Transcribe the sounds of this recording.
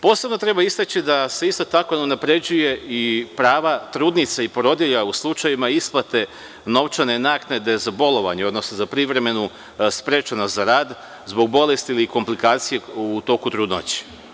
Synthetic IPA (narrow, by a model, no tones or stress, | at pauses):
po̞ːse̞bno̞t̪ɾe̞baist̪at͡ɕid̪ase̞ist̪o̞t̪ako̞neunapɾe̞d͡ʑuje̞ipɾaːʋat̪ɾuːd̪nit̪saipɾo̞d̪jeʎauslˠut͡ʃajimaisplˠat̪e̞ | no̞ʋt͡ʃanenaknad̪e̞zabo̞lo̞ʋa̰ɲeo̞d̪no̞snozapɾiʋɾe̞me̞nu | spɾe̞ːt͡ʃanazaɾaːd̪ | zbo̞ɡ̚bo̞le̞st̪iiliko̞mplikaːt̪sijeut̪o̞kut̪ɾuːd̪no̰t͡ɕi̥